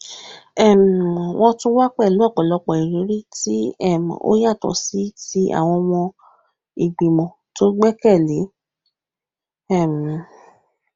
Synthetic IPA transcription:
ɛ˦˨m˨w̃ʔɔ̃˧tũ˦wa˦k͡pɛ˦˨lu˨˦a˦˨k͡pɔ˨lɔ˧k͡pɔ˨i˨ɾi˨˦ɾi˦ti˦ɛ˦˨m˨o̰˦ja˦˨tɔ̰˨si˨˦ti˦ʔa̰˦˨w̃ɔ̃˧mɔ̃˧ | i˨ɡ͡bi˨mɔ̃˨˦ | to˦ɡ͡bɛ˦kɛ˦˨li˨˦ | ɛ˦˨m˨

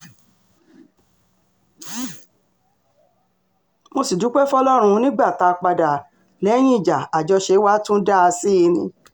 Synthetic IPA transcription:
mo˧si˨du˨˦k͡pɛ˦fɔ˦lɔ˦ɾ̃ũ˧˦nĩ˦ɡ͡ba˦˨ta˧k͡pa˧da˨ | lɛ˨˦j̃ĩ˦i˦˨d͡ʒa˨a˨d͡ʒɔ˧ʃe˧˦wa˦tũ˦da˦˧si˦i˧nĩ˧

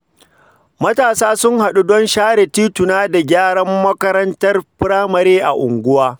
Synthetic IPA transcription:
mɐ˦taː˨saː˦sʊ˦ŋha˨ɗu˦dɔ˦nʃaː˦ɽe˨tiː˦tʊ˨naː˦da˨ɡʲaː˦ɽɐ˦mːɐ˦kɐ˦ɾɐ˦ntɐ˦rpɪ˦ɽaː˦mɐ˨ɾeː˦ʔa̰˨ʔʊ˨ŋɡʷʊ˦waː˦

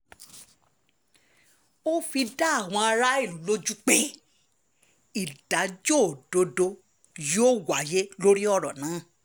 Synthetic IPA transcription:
o˦fi˧da˦a˦˨w̃ɔ̃˧a˧ɾa˦i˦˨lũ˨˦lo˦d͡ʒu˦k͡pe˦ | i˦˨d̥a˨˦d͡ʒo˦˨do˧˦do˧ | jo˦wa˨˦je˦lo˦ɾi˦ɔ˦˨ɾɔ̃˨nãː˨˦˨

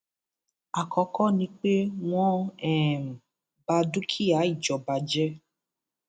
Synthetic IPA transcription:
a˨kɔ˧kɔ˦nĩ˧k͡pe˦w̃ɔ̃˦ɛ˦˨m˨ | ba˧du˦kʰi˦a˨˦i˦˨d͡ʒɔ˨ba˧d͡ʒɛ˦

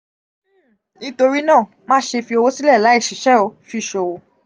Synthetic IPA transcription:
nĩ˦to˧ɾi˦nãː˦˨ | mã˦ʃe˧fi˧o˧wo˦si˦lɛ˦˨la˨˦i˦˨ʃi˨ʃɛ˦o˧˦fi˧˨ʃo˧˨wo˧

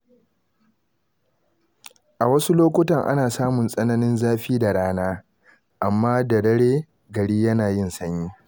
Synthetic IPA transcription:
ʔa˨wɐ˦su˦loː˦kʷʊ˦tɐ˨ŋʔa̰˦naː˨saː˦mʊ˨nsʼɐ˦nɐ˦nɪ˦nzaː˦ɸiː˦da˨ɽaː˦naː˦ | ʔa˨mːaː˦dɐ˨dɐ˦ɽeː˦ | ɡɐ˨ɽiː˦jɐ˦naː˨jɪ˦˨nsɐ˦ɲjiː˦

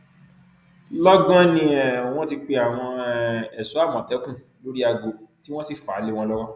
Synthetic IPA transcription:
lɔ˦ɡɔ̃˦nĩ˧ɛ˨w̃ɔ̃˦ti˧k͡pe˧a˨w̃ɔ̃˧ɛ˨su˨˦a˦˨mɔ̃˨tɛ˨˦kũ˦˨ | lo˨˦ɾi˦a˧ɡo˨˦ti˦wɔ̃˦si˦˨fa̰˨˦le˦w̃ɔ̃˧lɔ˦wɔ˦

